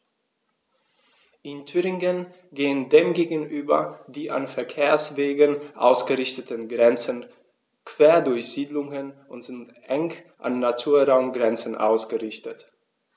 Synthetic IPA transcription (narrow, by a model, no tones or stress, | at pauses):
ʔɪntʰyːʁɪŋən | ɡeːəndeːmɡeːɡn̩ʔyːbɐ̰diːʔa̰nfɛɐkʰeːɐsv̥eːɡənʔa̰ʊsɡ̥əʁɪçtətənɡʁɛnt͡sən | kv̥eːɐdʊɐçz̥iːdlʊŋənʔʊntz̥ɪnt | ʔɛŋʔa̰nːatʰuːɐʁaʊmɡʁɛnt͡sən̩ʔa̰ʊsɡ̥əʁɪçtət